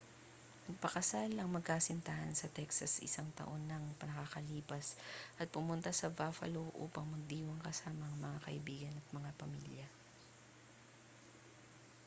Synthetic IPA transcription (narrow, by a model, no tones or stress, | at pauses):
nɐɡ̚pɐkɐsalɐŋmɐɡ̚kaːsɪnt̪ahɐnsɐt̪ɛksɐsɪ̰saŋt̪ɐ̰ʔo̞nːɐŋpɐnɐkakɐliːpɐsʔɐt̪̚pʊmʊnt̪asɐvaːfɐ̰loʔṵːpɐŋmɐɡ̚d̪iːwɐŋkɐsaːmɐɐŋmɐŋakɐʔɪbiːɡɐnɐt̪̚mɐŋapɐmiljɐ